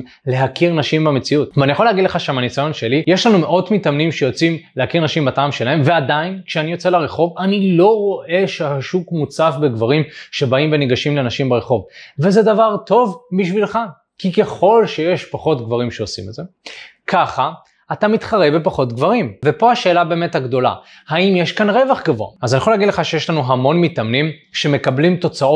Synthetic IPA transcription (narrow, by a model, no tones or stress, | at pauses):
le̞ɦakiʁnaʃimbame̞t͡siutveanijaχoleaɡidle̞χaʃamanisajo̞nʃe̞lijeʃlanume̞ʔo̞tmitamnimʃejo̞t͡simlehakiʁnaʃimbataːmʃe̞lae̞mve̞adainkʃeanijo̞t͡selaʁe̞χo̞vanilo̞ʁo̞ʔe̞ʃehaʃukmut͡safbeɡvaʁimʃe̞baimve̞niɡaʃimlenaʃimbeʁe̞χo̞vve̞zedavaʁto̞vbiʃvilχa | kike̞χo̞lʃeje̞ʃpaχo̞tɡvaʁimʃe̞osimedze̞ | kaχaː | tamit̪χaʁebepaχo̞tɡvaʁimvepo̞haʃeːlabeːmethaɡdo̞la̰ | haimjeʃkanʁe̞vaχɡavo̰a̰azaniexolaɡidleχaʃejeʃlanuɦamo̞nmitamnimʃe̞me̞kablimto̞t͡sao